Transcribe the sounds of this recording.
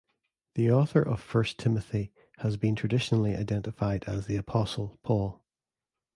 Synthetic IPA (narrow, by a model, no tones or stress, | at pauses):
ðiɔθə˞ʔə̰v̥fɜ˞stʰɪməθi | həzbĩntʰɹ̥ədɪʃənl̩ˠiʔa̰ɪdɛ̃nʔɪfaɪdəzðiəpʰɔsəl̩ˠpʰɔlˠ